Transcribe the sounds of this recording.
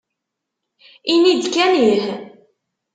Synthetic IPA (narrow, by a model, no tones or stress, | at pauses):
inid̪kænih